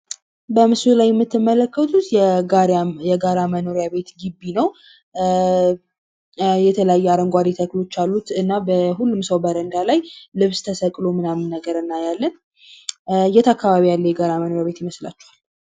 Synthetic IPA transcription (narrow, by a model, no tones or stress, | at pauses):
bəmɨsulajːɛmːɨt̪ʰːɨmːələkːət̪ʰut̪jɛajɛɡaɾaməno̞ɾjaβe̞t̪ɡɨbːinəw | jɛt̪ʰələjajːɛaɾəŋɡʷwad̪ɛt̪ʰəklo̞t͡ʃːalːut̪ɨnːabəhulːumsəwbəɾənd̪alajlɨβst̪ʰəsəkʼlomɨnamːɨnːəɡəɾɨnːajalːən | ɨjːɛt̪ʰakːaβaβijalːəjɛɡaɾaməno̞ɾjaβe̞t̪jɪməsla̰t͡ʃːɛwal